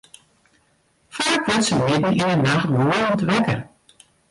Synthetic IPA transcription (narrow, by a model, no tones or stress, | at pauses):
faːkʋɛtsəmɪdn̩inənaxtmoəɔntʋɛkər